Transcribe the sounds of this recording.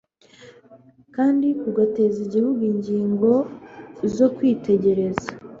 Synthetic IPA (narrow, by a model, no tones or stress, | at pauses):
kaːndikuɡate̞ziɟihuɡuiɲɟiːŋɡo̞ | zo̞kwiːte̞ɟe̞ɾe̞za